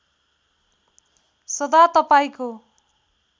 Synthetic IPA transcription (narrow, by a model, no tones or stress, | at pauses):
sʌd̪at̪ʌpaĩko